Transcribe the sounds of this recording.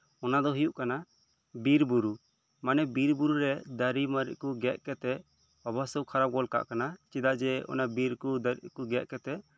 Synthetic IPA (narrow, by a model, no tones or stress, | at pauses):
ɔnad̪ɔɦujuʔkana | biɾbuɾu | manɛbiɾbuɾuɾɛd̪əɾimaɾḭʔ̚kuɡɛʔ̚kɛt̪ɛʔ | ɔbəsɔkʰaɾab̚ɡɔlka̰ʔkanat͡ʃid̪aʔd͡ʒɛɔ̰nabiɾkud̪əɾḭʔkuɡɛʔkɛt̪ɛʔ